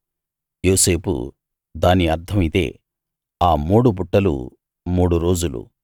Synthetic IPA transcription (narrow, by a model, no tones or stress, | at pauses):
jo̞ːse̞ːpṵ | d̪aːniɐɾd̪ʰʱɐmit̪e̞̰ː | aːmuːɽupuʈːɐlṵ | muːɽuɾo̞ːd͡ʒulṵ